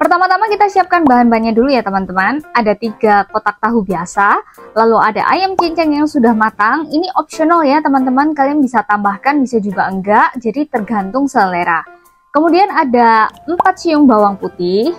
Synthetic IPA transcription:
pərt̪amat̪amakit̪asiap̚kanbaɦanbaɲadulujat̪əmant̪əmanadat̪iɡapot̪ak̚t̪aɦubiasalalua̰da̰ʔa̰jamt͡ʃiɲt͡ʃɛŋjaŋsudahmat̪aŋiniʔɔp̚sionaljat̪əmant̪əmankalianbisat̪ambahkanbisad͡ʒuɡaəŋɡaʔd͡ʒadit̪ərɡant̪ʊŋsəəleɾa | kəmudianadaəmpat̪̚sijʊŋbawaŋput̪ɪh

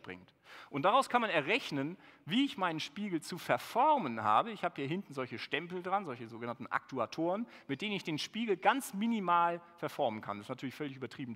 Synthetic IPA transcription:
b̥ʁɪ̰ŋt | ʔʊntd̥aʁaʊskʰanmanɛɐʁɛçnənviːɪçmaɪnənʃpiːɡl̩t͡sufɛɐfɔɐmənha̰ːbəɪçhaːbəhiːɐɦɪntn̩zɔlçəʃtɛmpl̩dʁanzɔlçəzoːɡənantn̩ʔa̰k̚tʰuatʰoːʁənmɪt̚d̥eːnənɪçd̥eːnʃpiːɡl̩ɡant͡sminimaːlfɛɐfɔɐmənkʰa̰ndɛsnatʰyɐlɪçfœlɪçʔyːbɐtʁ̥iːbmn̩

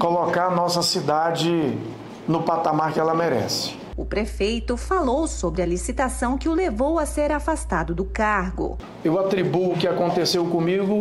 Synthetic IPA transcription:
kolokaɾnɔsɐsid̪ad͡ʒɪ | nʊpat̪amaɾkɪɛlɐmeɾɛ̰sɪ̥ | ʊpɾefejt̪ʊfalowsobɾɪɐlisit̪asɐ̃w̃kɪʊlevowaseɾafast̪ad̪ʊd̪ʊkaɾɡʊ̰ | ewat̪ɾibuʊkɪakõnt̪esewkõmiɡʊ

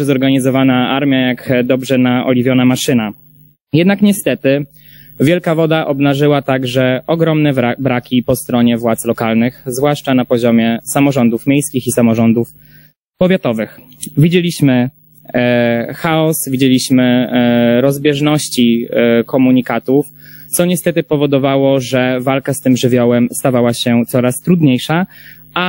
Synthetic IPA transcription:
zɔɾɡaɲizɔvanaaɾmʲjajakd̪ɔbʐɛnaʔɔ̰lʲivʲjɔnamaʂɘna | jɛd̪nakɲɛst̪ɛt̪ɘ | vʲjɛlkavɔd̪aʔɔbnaʐɘwat̪aɡʐɛʔɔɡɾɔmnɛbɾakʲipɔst̪ɾɔɲɛvwat̪slɔkalnɘxzvwaʂt͡ʂanapɔʑɔmʲjɛsamɔʐɔnd̪ufmʲjejskʲixisamɔʐɔnd̪uf | pɔvʲjat̪ɔvɘx | vʲid͡ʑelʲiɕmɘ | xaɔsvʲid͡ʑelʲiɕmɘ | ɾɔzbʲjɛʐnɔɕt͡ɕikɔmuɲikat̪uf | t̪sɔɲɛst̪ɛt̪ɘpɔvɔd̪ɔvawɔʐɛvalkast̪ɘmʐɘvʲjɔwɛmst̪avawaɕɛt̪sɔɾast̪ɾud̪ɲejʂa | a

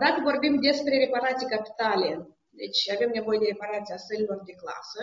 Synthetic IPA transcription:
d̪at̪əvo̞rbimd̪e̞spɾe̞ɾe̞paɾat̪sijkapi̥t̪alʲe̞ | d̪e̞t͡ʃʲave̞mne̞vo̞je̞d̪e̞ɾe̞paɾat̪siast̪əɾilo̞rd̪e̞kla̰sə

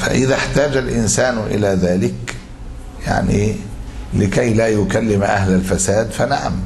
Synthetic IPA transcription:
fa̰ʔɪðaħt̪aːd͡ʒalʔɪnsaːnʔɪ̰laːðaːlɪk | ja̰ʕni | lɪkajlaːjʊkalːɪmʔa̰hlalfasaːd̪fanaʕa̰m

